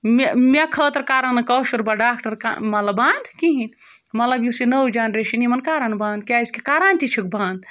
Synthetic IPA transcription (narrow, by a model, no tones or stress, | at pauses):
memekʰəːt̪ɐɾkaːɾɐnɨkɔʃuɾbɐɖaːk̚ʈɐɾka̰mɐt̪lɐbãːnd̪kiɦin | mɐt̪lɐbjusinəwd͡ʒanɾeʃinimɐnkaːɾɐnbãːnd̪̚kʲaskekaɾaːnt̪it͡ʃʰɨk̚bãːnd̪